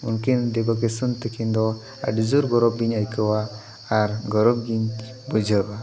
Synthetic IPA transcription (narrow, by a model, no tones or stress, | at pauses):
unkind̪ɛbak̬esənt̪əkʰind̪ɔ | a̰ɖzuɾɡɔɾɔb̚ɡiɲajkəwaː | ɾɡɔɾɔb̚ɡiɲ | bɔd͡ʒʱəba